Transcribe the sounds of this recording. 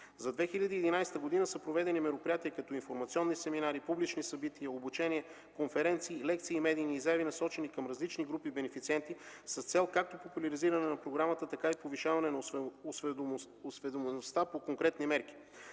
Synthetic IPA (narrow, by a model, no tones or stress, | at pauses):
zɐd̪vɛxiʎʲɐd̪iːd̪inajst̪əɡod̪inəsɐpɾovɛd̪ɛnimɛɾopɾijat̪iɛkɐt̪ɔinfoɾmɐt̪siɔnːisɛminaɾipublit͡ʃnisɐbit̪iəobut͡ʃɛniɛ | konfɛɾɛnt̪siːlɛk̚t̪siːmɛd̪iːniːzaɛvinɐsɔt͡ʃɛnikɐmɾɐzlit͡ʃniɡɾupibɛnɛfit̪siɛnt̪isɐst̪sɛlˠkak̚t̪opopulʲɐɾiziɾɐnɛnɐpɾoɡɾamət̪ət̪ɐkaipoviʃavɐnɛnɐos | osvɛd̪omɛnost̪apokoŋkɾɛt̪nimɛɾki̥